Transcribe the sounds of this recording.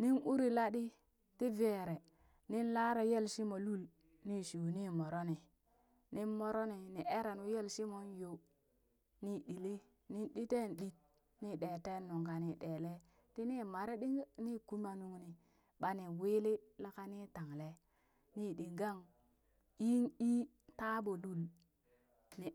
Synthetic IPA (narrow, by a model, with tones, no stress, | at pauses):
ni˦nu˦ɾi˨la˦ɗi˦ | ti˦ve˨ɾe˨ | ni˦nla˦ɾe˨je˦lsi˦mo˨lu˦l | ni˦ʃi˨ni˦mo˨ɾo˦ni˨ | ni˦nmo˨ɾo˦ni˨ni˨e˦ɾa˨nu˦je˦lsi˦mo˨˦njo˨ | ni˦di˨li˦ | ni˦nɗi˦te˦˨nɗi˦t̚ | ni˦ɗe˨te˦nːu˨ŋɡa˨ni˨ɗe˨le˦ | ti˦ni˦ma˨ɾe˦ɗi˦ŋ˦ni˦ku˦ma˨nu˨ŋni˨ | ɓa˨ni˨wi˦li˦la˦ka˦ni˦ta˨ŋle˦ | ni˦ɗi˨ɡa˦ŋ | i˦ŋi˦ | ta˦bo˨lu˦l | ni˨